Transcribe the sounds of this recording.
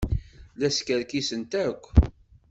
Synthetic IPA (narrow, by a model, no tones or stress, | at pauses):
læskəɾkisənt̪ækʷː